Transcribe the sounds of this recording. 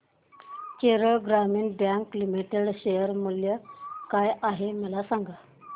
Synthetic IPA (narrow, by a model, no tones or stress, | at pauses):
keɾəɭɡɾamiːɳbjãŋklimiʈeɽɕejəɾmuljəkajʔaɦeməlasaŋɡa